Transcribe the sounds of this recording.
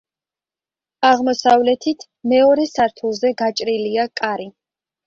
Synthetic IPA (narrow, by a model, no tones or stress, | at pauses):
aʁmɔsavlɛt̪ʰit̪ʰ | mɛɔɾɛsaɾt̪ʰulˠzɛɡat͡ʃʼɾiliakʼaɾi